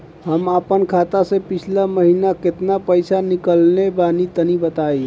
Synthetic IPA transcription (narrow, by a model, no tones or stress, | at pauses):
ɦəməpənkʰat̪asẽpit͡ʃʰlaməɦinaket̪napəjsanikəlnebanit̪ənibət̪aj